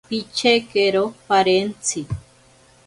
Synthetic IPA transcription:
pit͡ʃʰekeɾopaɾent͡sʰi

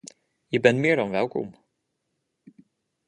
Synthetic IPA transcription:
jɛbɛnmeːɾɔnvɛːlkʰɔ̰m

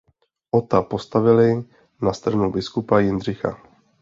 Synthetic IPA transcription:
ʔot̪apo̞st̪avɪlɪ | nast̪ɾanubɪskupajɪnr̝ɪxa̰

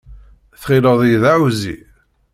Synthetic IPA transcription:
θχiləðˤjðaʕuzḭ

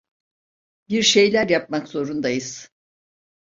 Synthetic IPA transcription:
biɾʃe̞jlʲæɾjap̚makzo̞ɾund̪ajɯz̥

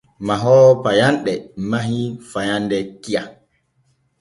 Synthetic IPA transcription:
maɦɔpajanɗɛmaɦifajandɛkija

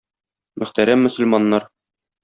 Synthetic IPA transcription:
mɵ̆χt̪æɾæmːɵ̆sɵ̆lmɑnːɑɾ

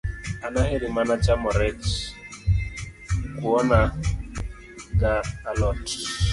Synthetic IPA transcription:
anaɦeɾimanat͡ʃamɔɾɛt͡ʃ | kuɔna | ɡaːlɔt

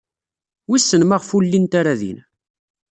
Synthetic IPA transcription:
wisːənmaʁfulːint̪aɾaðḭn

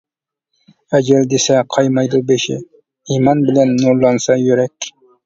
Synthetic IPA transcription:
æd͡ʒɪld̪esɛqʰɑjmɑjd̪ubeʃɪ̰ | imɑnbɪlænːolˠːɑnsɑjøɾɛkʲ

